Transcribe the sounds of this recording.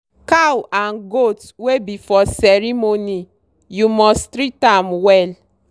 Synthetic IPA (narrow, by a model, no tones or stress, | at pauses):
kawanɡot | webifɔsɛɾimoni | jumɔstɾitamwɛl